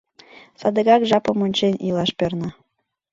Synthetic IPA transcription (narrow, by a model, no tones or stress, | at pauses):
sɑd̪əɣɑkʒɑpə̆monʲt͡ɕenʲilˠɑʃpørnɤ